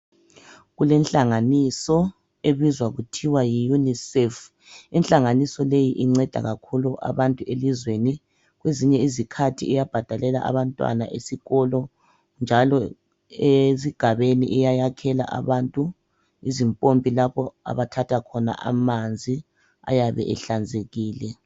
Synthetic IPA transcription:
ɣulɛnɬʼaŋanisɔ | eβizwaɣutʰiwajijunisɛf | inɬʼaŋanisɔlejiʔiŋ͡ǀɛd̥ʱa̰ɣakʰuluʔa̰βantʼuelizweni | ɣweziɲɛizikʰatʰiːjab̥ʱad̥ʱalɛla̰ʔa̰βantʼwa̰na̰ʔesiɣɔlɔ | nd͡ʒʱalɔ | eziɡ̥ʱaβenḭʔɛjajakʰɛla̰ʔa̰βantʼu | izimpʼompʼilaβɔa̰βatʰatʰakʰɔna̰ʔa̰mand͡zʱi | a̰jaβɛ̰ʔɛɬand͡zʱeɣiːlɛ

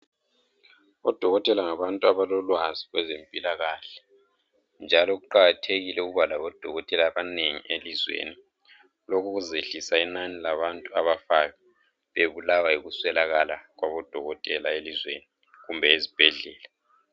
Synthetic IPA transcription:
ɔd̥ʱɔɣɔtʼɛlaŋaβantʼuaβalɔlwaziɣwɛzempʼilaɣaːɬɛ̥ | nd͡ʒʱalɔɣuǃaɣatʰeɣilɛuɣuβalaβɔd̥ʱɔɣɔtʼɛlaːβaneŋḭelizwḛni | lɔkʰuɣuzeɬisainanilaβantʼua̰βafaɣa | βeβulawaiɣuswɛlaɣalaɣwaβɔd̥ʱɔɣɔtʼɛlaelizweni | ɣumbʱɛezib̥ʱɛɮɛːla

